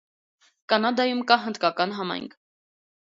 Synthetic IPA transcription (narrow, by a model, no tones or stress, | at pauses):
kɑnɑd̪ɑjumkɑɦənd̪kɑkɑnɦɑmɑ̰jŋkʰ